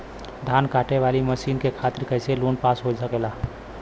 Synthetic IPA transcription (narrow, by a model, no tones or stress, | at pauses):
d̪ʱankaːʈeʋaliməʃiːnkekʰat̪ɪɾkəɦselonpasɦod͡ʒsəkɛla